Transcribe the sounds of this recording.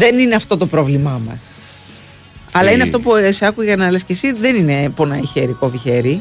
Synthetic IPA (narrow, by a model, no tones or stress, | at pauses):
ðe̞nineɐft̪o̞t̪o̞pɾo̞vlimɐmɐ̰s | ɐlɐineɐft̪o̞puseɐkuʝɐnɐle̞scesiðe̞nine̞po̞nɐiçeɾikoviçe̞ɾi